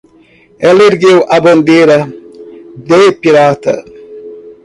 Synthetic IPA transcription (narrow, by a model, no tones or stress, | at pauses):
ɛleɾɡewʔabond̪eɾɐ | d̪epiɾat̪ɐ̰